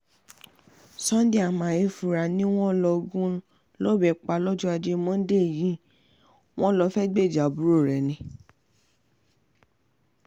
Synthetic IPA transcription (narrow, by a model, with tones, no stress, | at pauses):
sã˦n˦di˦a˨mã˨e˧fu˨ɾa˨nĩ˦w̃ɔ̃˦lɔ˧ɡũ˦ | lɔ˦bɛ˨k͡pa˧lɔ˦d͡ʒu˦a˧d͡ʒe˧mɔ̃˦de˦˨jĩ˦ | w̃ɔ̃˦lɔ˧fɛ˦ɡ͡be˦˨d͡ʒa˨bu˨˦ɾo˦˨ɾɛ˨nĩ˨